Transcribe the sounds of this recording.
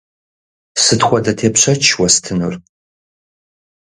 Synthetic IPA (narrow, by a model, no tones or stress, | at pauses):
sɨtχʷɔdɐtʰeːpɕɐt͡ʃʰwɐstʰɨnur